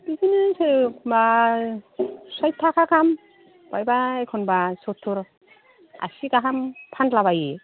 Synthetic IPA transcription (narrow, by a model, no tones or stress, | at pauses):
b̥izinɯsɯba | saj̚t̪ʰːakʰakʰam | bajbaekʰɔnbasɔtʰːuɾ | a̰siɡaɦampʰantlaβaji